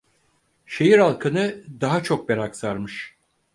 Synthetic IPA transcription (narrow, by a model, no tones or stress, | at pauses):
ʃe̞jiɾalˠkʰɯnɯd̪aɦat͡ʃʰo̞k̚beɾaksaɾmɯʃ